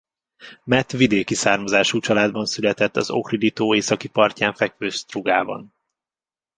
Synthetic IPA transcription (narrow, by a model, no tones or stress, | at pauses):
mɛt̪ʋid̪eːkisaːrmɒzaːʃuːt͡ʃɒlaːd̪bɒnsylɛt̪ɛt̪ːɒ̰zo̞̰krid̪it̪oːeːsɒkipɒrcaːɱfɛkføːst̪ruɡaːbɒ̰n